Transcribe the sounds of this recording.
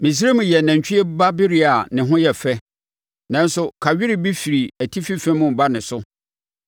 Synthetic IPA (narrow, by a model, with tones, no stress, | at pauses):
mĩ˨s̬i˦ɾe˦mũ˨jɛ˨næ̃˨ɲ˨t͡ɕᶣɪ˦ɛ˦ba˦bɪ˦ɾi˦a˨nɪ̃˨ɦʊ̃˦jɛ˨fɛ˦ | nã˦n˦sʊ˦kʰa˨ɥᶣɪ˦ɾɪ˨bi˦fi˨ɾi˨æ˨tʰi˦fi˦fɛ̃˦mʊ̃˦m˨ba˦nɪ̃˨sʊ˦